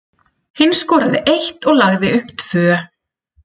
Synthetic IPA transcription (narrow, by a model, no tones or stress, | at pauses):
hɪnːskɔːɾaðɪ̰ʔejht̪ɔɣlaɣðɪʏhpt̪fœː